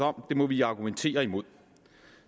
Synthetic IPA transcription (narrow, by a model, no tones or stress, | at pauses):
ɒ̽m̰d̥e̝mɒ̽ʋiɑ̈ɡ̥ument͡sʰe̝̰ːɐimo̝ð̰ˠ